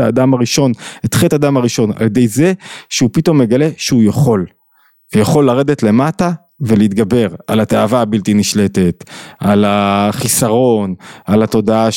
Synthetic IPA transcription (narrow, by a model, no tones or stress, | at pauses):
aːdamaʁiʃo̞net̪χetadamaʁiʃo̞na̰ljedejze̞ʃeupit̪o̞mːe̞ɡale̞ʃeujaχo̞l | vejaχo̞lːaʁe̞d̪etle̞mata | veleit̪ɡabe̞ʁalat̪eavaːbilt̪iniʃle̞te̞t̪alaχisaʁo̞nalat̪o̞daa